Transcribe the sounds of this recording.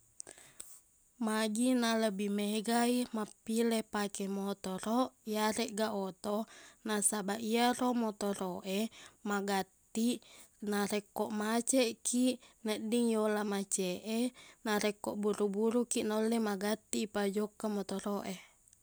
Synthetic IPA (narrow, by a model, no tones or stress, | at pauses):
maɡinaləbimeɡaimapːilɛpakɛmot̪ɔɾɔʔjaɾɛʔɡaʔot̪ɔnasabaʔiaromɔt̪oɾoʔemaɡat̪ːi | naɾɛkːɔʔmat͡ʃɛʔkiʔnəʔdiŋjolamat͡ʃɛʔɛnaɾɛkːɔʔbuɾubuɾukiʔnolːɛmaɡat̪ːiːpad͡ʒokːamɔt̪ɔɾoʔe